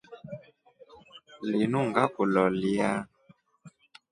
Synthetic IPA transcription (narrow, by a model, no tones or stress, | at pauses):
linuŋɡakulɔlia